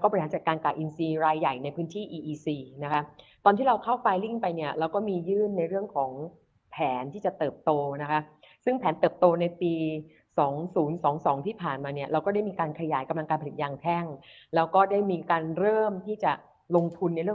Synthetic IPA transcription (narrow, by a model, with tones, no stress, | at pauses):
wkɔː˥˩bi˧˩a˨˦t͡ɕa˨˩kaː˧nkaː˨˩ʔi˧nsiː˧ɾaː˧jːa˨˩jna˧jpʰɯː˦˥nt̪ʰiː˥˩ʔiː˧ʔiː˧siː˧na˦˥kʰa˦˥t̪ɔː˧nt̪ʰiː˥˩ɾa˧wkʰa˥˩wpaː˧jli˥˩ŋpa˧jni˥˩ɐɾaː˧wkɔː˥˩miː˧jɯː˥˩nːa˧jɾɯ˥˩əŋkʰɔː˩˦ŋ | pʰɛː˩˦nt̪ʰiː˥˩t͡ɕa˨˩t̪ɤː˨˩p̚t̪oː˧na˦˥kʰa˦˥ | sɯ˥˩ŋpʰɛː˩˦nt̪ɤː˨˩p̚t̪oː˧na˧jpiː˧ | sɔː˩˦ŋsuː˩˦nsɔː˩˦ŋsɔː˩˦ŋt̪ʰiː˥˩pʰaː˨˩nmaː˧ni˥˩ɐɾa˧wkɔ˥da˥˩jmiː˧kaː˧nkʰa˧jaː˩˦jka˧mla˧ŋkaː˧pʰli˨˩t̪̚jaː˧ŋt̪ʰɛ˥˩ŋ | lɛː˦˥wkɔː˥˩daː˥˩jmiː˧kaː˧nɾɤː˥˩mt̪ʰiː˥˩t͡ɕa˨˩ | lo˧ŋt̪ʰu˧nːa˧jɾɯ˥˩ə˨